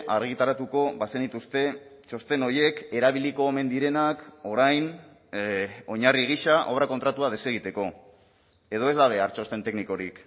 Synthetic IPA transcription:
ʔaɾɣ̞it̪aɾat̪uko̞base̞nd̪it̪ust̪e̞ | t͡ʃo̞st̪e̞no̞je̞ke̞ɾaβiliko̞ːme̞nd̪iɾe̞nako̞ɾajn | o̞ɲariɣ̞iʃaʔo̞βɾakot̪ɾat̪uaðe̞se̞ɣ̞it̪e̞ko̞ | e̞ð̞o̞e̞zd̪aβ̞e̞aɾt͡ʃo̞st̪e̞nt̪e̞kniko̞ɾik

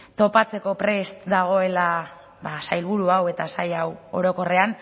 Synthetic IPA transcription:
t̪o̞pat͡se̞ko̞pɾe̞st̪d̪aɣ̞o̞e̞la | basajlβuɾuawe̞t̪asajawo̞̰ɾo̞ko̞re̞an

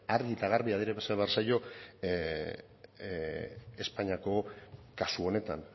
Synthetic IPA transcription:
aɾðiet̪aɣ̞aɾβiaðiɾeβesaβeaɾrsajo̞ | e̞spaɲiako̞kasuo̞ne̞t̪a̰n

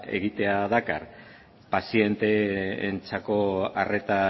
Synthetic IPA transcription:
e̞̰ɣit̪e̞aðaka̰r | pasije̞nt̪e̞ːnt͡sako̞are̞t̪a

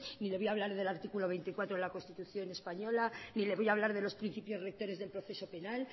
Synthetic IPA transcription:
nileojaβ̞laɾð̞e̞laɾt̪ikulo̞βe̞jnt̪ikwat̪ɾolako̞nst̪it̪uθjo̞ne̞spaɲo̞lanile̞βo̞jaβ̞laɾðe̞lo̞spɾin̟θipjo̞zre̞k̚t̪o̞ɾe̞zðelpɾo̞θe̞so̞pe̞nal

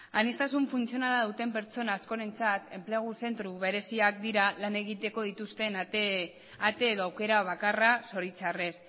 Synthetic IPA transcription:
anist̪asuɱfunt͡sio̞nalaðut̪e̞mpe̞ɾt͡so̞naːsko̞ɾe̞nt͡sat̪e̞mple̞ɣ̞use̞nt̪ɾuβe̞ɾe̞siak̚d̪iɾalane̞ɣit̪e̞ko̞ð̞it̪ust̪e̞n | at̪e̞ːðo̞awke̞ɾaβ̞akaraso̞ɾit͡sare̞s

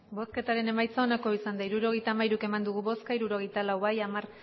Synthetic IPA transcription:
bo̞ske̞t̪aɾe̞ne̞majt͡sao̞nako̞isand̪aiɾuɾo̞ɣ̞e̞jt̪aːmajɾuke̞mand̪uɣ̞uβo̞skaiɾuɾo̞ɣ̞ejt̪alawβajamar

